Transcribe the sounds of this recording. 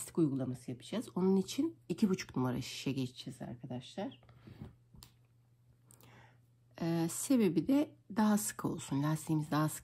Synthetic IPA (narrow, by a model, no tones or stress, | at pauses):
st̪i̥kujɡulˠamasɯjapʰɯ̥d͡ʒaːzo̞nunit͡ʃʰinicʰibut͡ʃʰu̥knumaɾa̰ʃi̥ʃɛɟet͡ʃʰid͡ʒɛza̰ɾkʰad̪aʃlˠaɾ̥ | ɛːse̞be̞bid̪ɛd̪aɦasɯ̥kʰo̞̰lˠsunlʲast̪ʲiːmizd̪aɦasɯ̥